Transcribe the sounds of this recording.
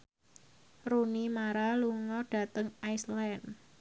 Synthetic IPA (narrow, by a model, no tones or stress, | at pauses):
runimaɾaluŋɔɖ̥a̤t̪əŋajslɛn